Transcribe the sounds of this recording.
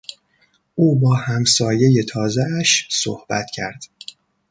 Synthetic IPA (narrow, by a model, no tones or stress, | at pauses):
ʔuːbɒːhæmsɒːje̞je̞t̪ʰɒːzeæʃso̰hb̥æ̰t̪ʰcʰæ̰ɾd̪̥